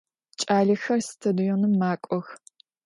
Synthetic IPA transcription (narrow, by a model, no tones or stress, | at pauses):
t͡ʃʼaːɮɐxɐrstʰɐdujɔnɨmːaːkʷʼɔx